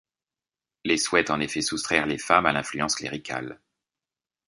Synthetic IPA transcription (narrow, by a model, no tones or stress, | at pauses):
leswɛt̪ɑ̃nefɛsust̪χɛʁlefamalɛ̃flyɑ̃sklḛʁikʰa̰l